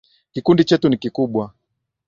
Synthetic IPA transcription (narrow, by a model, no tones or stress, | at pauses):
kikundit͡ʃɛtunikikuɓwa